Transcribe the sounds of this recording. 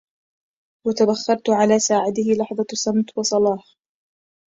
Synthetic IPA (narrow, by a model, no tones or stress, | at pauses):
wat̪abaxːɑɾˤt̪ʕalaːsaːʕad̪ɪhɪlɑħðˤɑsˤɑmt̪wɑsˤɑlɑːħ